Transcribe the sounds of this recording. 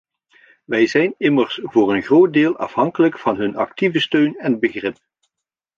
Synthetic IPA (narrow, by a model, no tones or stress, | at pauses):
ʋɛjzɛjnɪmərsvʊːrənχroːt̚dɪːlˠʔɑ̰fɦɑŋkələkfɑnɦɵnɑktivəstøɥnɛnbəɣrɪp̚